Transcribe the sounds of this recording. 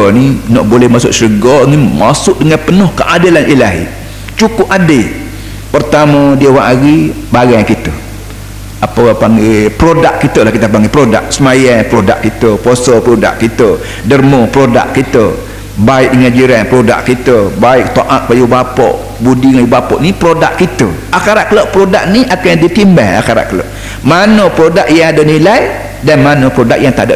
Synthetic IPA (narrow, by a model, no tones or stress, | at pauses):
ninɔʔbolɛhmasʊʔsəɾəɡɔnimasʊʔdəŋanpənohkəʔadəlanʔilaɦḭ | t͡ʃukʊp̚ade | pərt̪amə̃diəwaŋʔaɣi | baɡajkit̪ə | apəpaŋɡepɾodaʔkit̪əlahkit̪əpaŋɡipɾoda̰k̚səmajanpɾoda̰ʔkːit̪əposɔpɾoda̰ʔkit̪ə | dərmopɾoda̰ʔ̚kit̪ə | baɪʔ̚dəŋad͡ʒiɾanpɾoda̰ʔkːit̪əbaɪk̚t̪oʔat̪̚pajubapɔ̰ʔ | budiŋajubapɔʔnipɾodaʔkit̪ə | akaɾaʔ̚kəloʔpɾodak̚niʔakajdit̪imba̰ha̰kaɾa̰ʔkəlo̰ʔ | manəpɾodaʔjaŋadənilaj | danmanəpɾoda̰k̚jaŋt̪aʔdə̰ʔ